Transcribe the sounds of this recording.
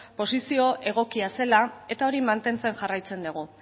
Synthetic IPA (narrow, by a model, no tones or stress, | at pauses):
po̞sisio̞ʔe̞ɣ̞o̞kiase̞lae̞t̪ao̞ɾimant̪e̞nt͡se̞nʝarajt͡se̞nd̪uɣ̞u